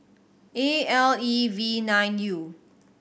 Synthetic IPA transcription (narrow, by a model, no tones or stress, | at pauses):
eɛlivinãj̃nju